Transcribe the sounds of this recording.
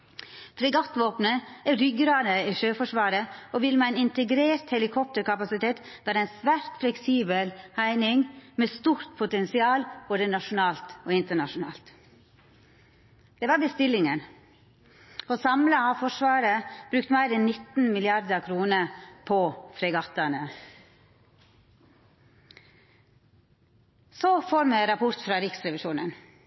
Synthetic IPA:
fɾɛɡɑt̪ʋoːpnəɛɾʏɡɾɑːd̪əiːʃøːfɔʂʋɑːɾəoːʋɪlmæɪnɪnt̪əɡɾeːɾt̪hɛlɪkʰɔp̚t̪əɾkɑpɑsɪt̪ʰeːt̪ | dæːɾæɪnsʋæːɾt̪flɛksiːbəlhæɪnɪŋmeːst̪uːɾt̪̚pʰʊt̪ɛnsɪɑːlb̥oːd̪ənɑʂʊnɑːlt̪oːɪnt̪əɳɑʂʊnɑ̰ːlt̪ | d̪eːʋɑɾbəst̪ɪlɪŋən | oːsɑmləɑːfɔʂʋɑːɾəb̥ɾʉːk̚t̪mæɪɾɛnnɪt̪n̩mɪlɪɑɾd̪əkʰɾuːnəpʰofɾɛɡɑt̪ənə | soːfoːɾmeɾɑpʰʊɾt̪fɾɑːɾɪksɾɛʋɪʃuːnən

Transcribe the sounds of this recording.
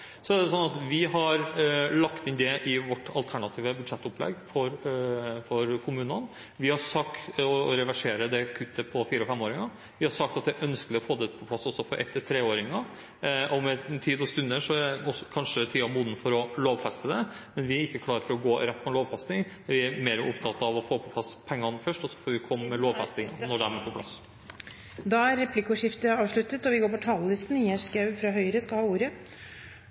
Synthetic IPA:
sɔæɖ̪ɛsɔnːɑt̪ʋɪɦɑɾlɑkt̪ɪnd̪ɛʔɪʋɔʈːɑ̰lt̪ʰæɳɑt̪ʰiːʋəbʉd̪ʂɛt̪ːʊplɛ̰ɡfɔɾfɔɾkʰʊmʉːnən | ʋɪhɑsɑkt̪ɔɾɛʋæʂeːɾəd̪ɛkʰʉt̪ːəpʰɔfiːɾəɔfɛmːoːɾɪŋɑ | ʋɪhɑɾʂsɑk̚t̪ɑt̪̚d̪ɛʔœnskəlɪɔfoːd̪ɛpʰɔpʰlɑsːɔsːɔfɔɾʔɛ̰t̪ːət̪ʰɾeːoːɾɪŋɑ | ʔɔmɛt̪ʰiːd̪ɔst̪ʉnd̪əʂɔɛɔskʰɑnʂət̪ʰiːɑmuːd̪n̩fɔɾɔloːʋfɛst̪əd̪ɛmɛnʋɪæɾɪkːəkʰlɑːɾəfɔɾɔɡoːɾɛt̪ːpʰːɛnloːʋfɛst̪nɪŋ | ʋɪæɾmeːɾəʊpt̪ʰɑt̪ːɑɑʋɔfoːpʰɔpʰlɑspʰɛŋːɑnfœʂʈɔsːɔ̥fɔɾʋɪkʰɔmːmɛloːʋfɛst̪ɪŋɑ̰nɔɖɛæɾmɛpʰɔpʰlɑ̰s | d̪ɑæɾːɛpʰlikːuːʂɪft̪əɑːʋʂɭʉt̪ːət̪ɔʋɪɡoːɾpɔt̪ʰɑːləlɪst̪n̩ɪæʂkɑʉfɾɑɦœʏɾəskɑhɑːuːɾə

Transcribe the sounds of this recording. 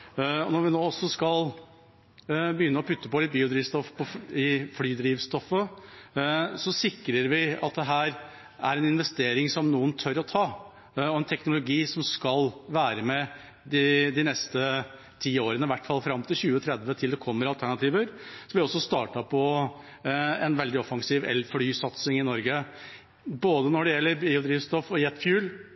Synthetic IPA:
ɔnɔɾʋɪnoːɔsːɔskɑl | bəjʏnːəɔpʰʉt̪ːəpɔlɪt̪̚biːʊd̪ɾiːʋst̪ɔfpʰɔɪflyːd̪ɾiːʋst̪ɔfə | sɔsɪkɾəɾʋɪɑt̪̚d̪ɛɦæːɾ | æ̰ɾɛnɪnʋɛst̪eːɾɪŋsɔmnuːənt̪ʰœɾɔt̪ʰɑː | ɔɛnt̪ʰɛknʊlʊɡiːsɔmskɑlʋæːɾəmɛ | d̪ɪd̪ɪnɛst̪ə | t̪ʰiːoːɾənəʋæʈːfɑlfɾɑmt̪ʰɪlçʉːət̪ʰɾɛd̪ʋət̪ʰɪld̪ɛkʰɔmːəɾɑlt̪ʰæɳɑt̪ʰiːʋəɾsɔmʋɪɔsːɔst̪ɑːʈɑpʰɔ | ɛnʋɛld̪ɪɔfɑŋsiːʋɛ̰lflyːsɑt̪sɪŋɪnɔɾɡə | boːd̪ənɔɖɛjɛlːəɾbiːʊd̪ɾiːʋst̪ɔfɔjɛt̪ːfjʉːl

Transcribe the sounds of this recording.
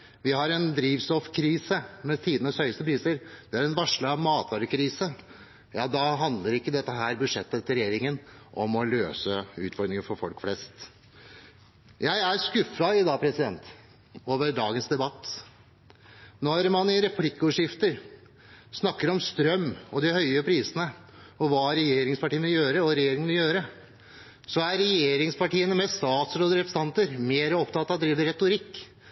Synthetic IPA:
ʋɪhɑɾɛnd̪ɾiːʋsɔfkʰɾiːsəmɛt̪ʰiːd̪ənəshœʏəst̪əpʰɾiːsəɾʋɪhɑɾɛnʋɑʂɭəɑʋmɑːt̪ʰʋɑːɾəkʰɾiːsə | jɑːd̪ɑɦɑnd̪ləɾɪkːəd̪ɛt̪ːəɦæːɾbʉʂɛt̪ːət̪ːɾɛjeːɾɪŋənʔɔmɔløːsəʉ̰ːt̪fɔɾd̪ɾɪŋəfɔɾfɔlkflɛst̪ | jæɪæɾskʉfɑɪd̪ɑːpʰɾɛsɪd̪ɛnt̪ | oːʋəɾɖɑːɡənsd̪ɛbɑt̪ː | nɔɾmɑnɪɾɛpʰlɪkːəɔːʂjɪft̪əɾ | snɑkːəɾɔmst̪ɾœmːɔd̪ɪhœʏəpʰɾiːsənə | ɔʋɑːɾɛjeːɾɪŋspɑʈiːnʋɪljøːɾəɔɾɛjeːɾɪŋənʋɪljøːɾə | sɔæɾɛjeːɾɪŋspɑʈiːənəmɛst̪ɑːt̪sɾoːd̪əɾɛpə̥sɑnt̪əɾmeːɾəɔpt̪ɑt̪ːɑd̪ɾiːʋəɾɛt̪ʊɾɪkː

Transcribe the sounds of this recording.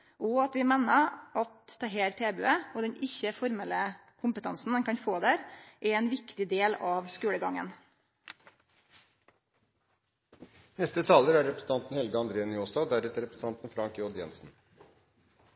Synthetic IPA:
ʔɔɑt̪ʋɪmeːnəɑt̪d̪ɛɦeːɾt̪ʰeːbø̰ːəɔd̪ɛɲɪçːəfɔɾmɛləkʰʊmpət̪ʰɑnsn̩d̪ɛnkʰɑnfoːd̪æɾʔɛɛnʋɪkt̪ɪd̪eːlɑːʋskʉːɽəɡɑŋə̰n | nɛst̪ət̪ʰɑːləɾæɾɾɛpɾəsn̩t̪ɑnt̪n̩hɛlɡəɑnd̪ɾeːnjoːsɑd̪æɾɛt̪æɾɛpɾsn̩ɑnt̪n̩fɾɑŋkjoːd̪jɛ̰nsn̩

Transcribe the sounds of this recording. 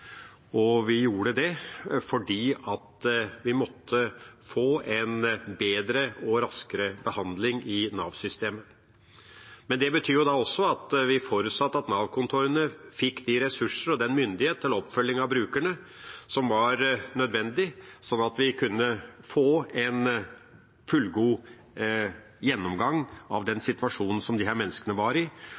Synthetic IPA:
ɔʋɪjuːɽəd̪ɛfɔɖiːɑt̪ʋɪmɔt̪ʰːəfoːʔɛnbeːd̪ɾəɔɾɑskəɾəbəhɑnd̪lɪŋɪnɑ̰ːʋsʏst̪eːmə | mɛnd̪ɛbət̪ʰyːjʊd̪ɑɔsːɔɑt̪ʋɪfoːɾʉt̪sɑt̪ːɑt̪nɑːʋkʊnt̪ʰuɾənəfɪkːd̪ɪɾɛsʉʂəɾɔd̪ɛnmʏnd̪ɪheːt̪ʰːəlɔpfœlːɪŋɑʋbɾʉːkæɳə | sɔmʋɑɾnœd̪ʋɛnd̪ɪsɔnːɑt̪ʋɪkʰʉnːəfoːɛn | fʉlɡuː | jɛnːɔmɡɑŋːɑ̰ʋd̪ɛnsɪt̪ʋɑʂuːnn̩sɔmd̪ɪɦæːɾmɛnːəskənəʋɑɾɪ

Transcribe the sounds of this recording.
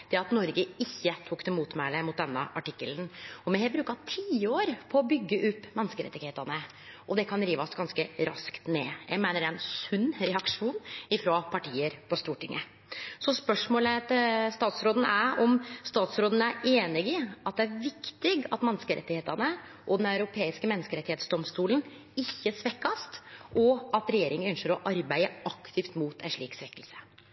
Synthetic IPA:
d̪̥ɛɑt̪nɔɾɡəɪçːət̪ʰukːd̪ɛmuːt̪mæləmʊt̪̚d̪ɛnːəʔɑʈɪkːəlnɔmɛhɛbɾʉːkɑt̪ʰiːoːɾpʰɔːbʏɡːəʔʉpːmɛnːskəɾɛ̰t̪ːɪɡheːt̪ɑnə | ʔɔd̪ɛkʰɑnɾiːʋɔsɡɑnskəɾɑ̰skt̪neːjæ̰ɪɡmæɪnəɖɛnsʉnːɾɛɑkʂuːnɪfɾɑːpʰɑʈiːəɾpɔst̪uːʈɪŋʔə | sɔspœʂmoːlət̪st̪ɑːt̪sɾoːd̪n̩æɾɔmst̪ɑːt̪sɾoːd̪ən̩æɾeːnɪɡɪʔɑt̪̚d̪ɛæɾʋɪkt̪ɪɡɑ̰t̪mɛnːəskəɾɛ̰t̪ːɪheːt̪ənə | ʔɔd̪ɛnɑʉɾʊpʰeːɪskəmɛnːəskəɾɛt̪ɪheːt̪sd̪ɔmst̪uːlən | ɪçːəsʋɛkːɑst̪ʔɔɑt̪ɾɛjeːɾɪŋənœnʃəɾɔʔɑɾbæɪəɑkt̪ʰɪft̪muːt̪ʰæ̰nʂɭiːksʋɛkːəlsə̥

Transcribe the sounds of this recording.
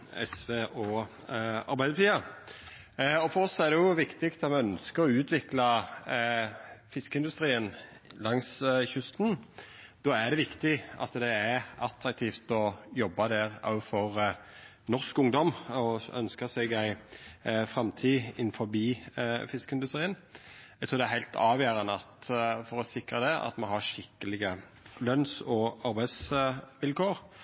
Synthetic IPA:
ɛ̰sʋeːʔɔː | ɑ̰ɾbæɪd̪əɾt̪ʰiːə | ɔfɔɾɔsːɔæɾd̪ɛjʊʋɪkt̪ɪkt̪ɑt̪mɛœnskəɾɔʉːt̪ʰʋɪklɑ | fɪskəɪnd̪ʉst̪ɾiːənlɑŋsçʉst̪nd̪̥oːæd̪ɛʋɪkt̪ɪɑ̰t̪d̪ɛæɾɑt̪ɾɑk̚t̪ʰiːft̪ɔjɔbːɑd̪ɛɾɑ̰ʉfɔɾ | nɔʁskʊŋd̪ɔmɔœ̰nskəsɛɡæɪ | fɾɛmt̪ʰiːɪnːfɔbiːfɪskəɪnd̪ʉst̪ɾiːənæɡt̪ʰuːd̪ɛæɾhæɪlt̪ʰɑːʋjæːɾɑnəɑt̪fɔɾɔsɪkɾəd̪ɛʔɑ̰t̪mɑnɦɑʂɪkːəlɪɡə | lœnsɔʔɑɾbæɪsʋɪlkoːɾ

